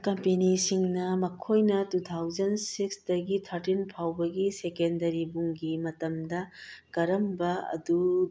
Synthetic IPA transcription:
kɐmpenisiŋnɐmɐkʰojnɐtutʰawd͡ʒɐnsiksdɐɡitʰɐɾtinpʰawbɐɡisekendɐɾibuŋɡimɐtɐmdɐɡɐɾɐmbɐɐ̰du

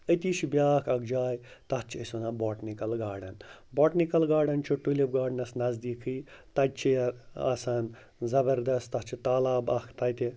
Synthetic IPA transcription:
ət̪iʃibjaːkʰɐɡd͡ʒaːjt̪ɐt͡ʃʰiɐsunɐbɔːʈnikɐlɡaːɖɐn | bɔːʈnikɐlɡaːɖɐnt͡ʃʰuʈːulib̚ɡaːɖnɐsnɐzd̪iːkʰɨjt̪ɐt͡ʃʰijɐa̰ːsan | zɐbɐɾd̪ɐst̪ɐt͡ʃʰit̪aːlaːbɐkʰt̪ɐt̪i

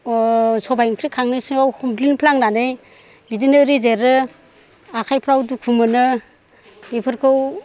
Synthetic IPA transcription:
sɔbajŋkʰɾikʰaŋnisɯŋawhɔmpʰlinpʰlaŋnanej | bidinɯɾizeɾɯ | akʰajpʰɾawdukʰumɯnɯ | epʰɯɾkʰɯw

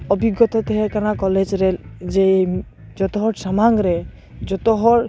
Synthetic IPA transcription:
ɔbiɡːɔt̪ɔt̪eɦekanakɔled͡ʒɾed͡ʒe | d͡ʒɔt̪ɔɦɔʈsamaŋɡɾe | d͡ʒɔt̪ɔɦɔʈ

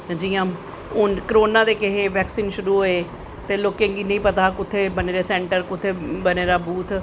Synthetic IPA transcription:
d͡ʒiːjãː | ʊnkəɾoːnãːd̪eːkɪɦeːʋɛːksiːnʃʊɾuːɦoeː | t̪eːloːkẽːŋɡiːnəĩːpət̪aːkʊt̪ʰːeːbəneːɾeːsɛːɳʈəɾkʊt̪ʰːeːbəneːɾaːbuːt̪ʰ

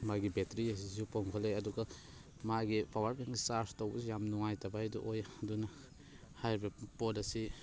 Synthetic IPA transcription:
maɡibetɾiɐs̬izupoŋkʰɔleɐduɡa | maɡipʰawaɾkaŋɡisaɾstowbɐsijamnuŋajtɐbajdṵʔojdunɐ | hajɾbɐpolɐsi

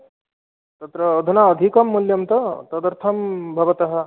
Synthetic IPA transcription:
t̪ɐt̪ɾɐːd̪ʱunaəd̪ʱikɐmːuljɐmt̪ɐt̪ɐd̪əɾt̪ʰɐmbʱɐʋɐt̪ɐɦɐ

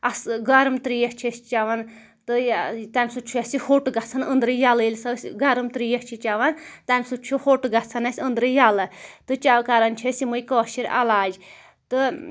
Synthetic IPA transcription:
ɐsɡɐɾɨmt̪ɾijeht͡ʃʰesʲt͡ʃaʋɐn | t̪ɨt̪ɐmʲsut͡ʃʰujɐsihoʈɡɐt͡sʰɐnənd̪ɾɨjalɨlʲsɐsʲɡɐɾɨmt̪ɾijɐht͡ʃʰit͡ʃaʋɐnt̪ɐmʲsut͡ʃʰuhoʈɡɐt͡sʰɐnɐsʲənd̪ɾɨjɐlɨt̪ɨt͡ʃawkaɾɐnt͡ʃʰesimujkɔːʃiɾʔɐ̰laːd͡ʒ | t̪ɨ

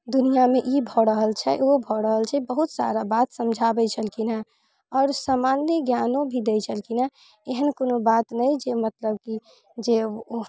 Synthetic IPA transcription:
d̪unijameʔibʱɔɾəɦəlt͡ʃʰɛobʱɔɾəɦəlt͡ʃʰɛbəɦut̪sa̰ɾabat̪səmd͡ʒʱabɛt͡ʃʰəlkina | ɔːɾsamanjəɡjanõbʱid̪ɛjt͡ʃʰəlkina | eɦənkonobat̪nəjd͡ʒemət̪ləb̚ki | d͡ʒe

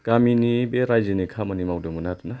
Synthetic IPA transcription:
ɡ̥aminibeɾajzinikʰamɐnimawdɯmunatuna

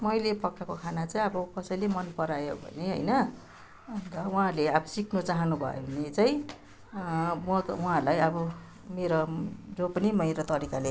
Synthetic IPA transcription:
mʌjlepʌkʰːakokʰanat͡saĩʌbʌkʌsʌjlemʌnpʌɾajobʱʌ̰neɦʌ̰jnʌ | nt̪ʌuɦãleʌbʌsiknut͡saɦʌnubʱʌ̰jo̰ɦunet͡saĩ | ʌwuɦãlajʌbʌ | meɾod͡zopʌnimʌjɾot̪ʌɾikale

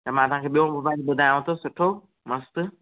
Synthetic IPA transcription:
tamãɐsãkʰeːɓijõbɐbabɐd̪ʱaːj̃t̪ʰosʊʈʰo | mɐst̪

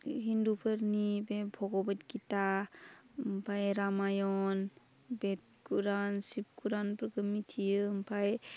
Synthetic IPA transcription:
ɦindupʰəɾnibebʰʱɔɡɔbatkita | mpʰajɾamajɔn | bet̚ | kuɾansip̚kuɾanpɾəɡɯmitʰijɯmpʰaj

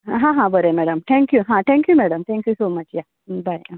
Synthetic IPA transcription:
ɦãɦãbəɾemɛɽəmt̪ʰɛ̃ŋkjuɦãt̪ʰɛ̃ŋkjumɛɽəmt̪ʰɛ̃ŋkjusoːmɐt͡ɕja | baj

